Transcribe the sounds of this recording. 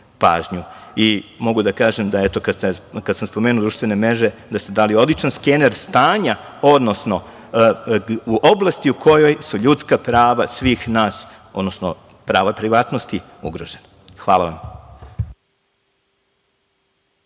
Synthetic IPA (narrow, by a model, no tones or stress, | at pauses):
pa̰ːʒɲuimo̞ɡud̪akaːʒemd̪aet̪o̞kasekad̪samspo̞meːnud̪ɾuʃt̪ʋe̞ne̞mɾeʒed̪ast̪ed̪aːlio̞d̪lit͡ʃanskeneɾst̪aːɲa | o̞d̪no̞sno̞ | uʔoblˠast̪iukʰo̞jo̞jsuʎut̪skapɾaːʋasʋiːxnaːs | o̞d̪no̞sno | pɾaːʋapɾiʋaːt̪nost̪i | uɡɾoʒena | xʋaːlaʋam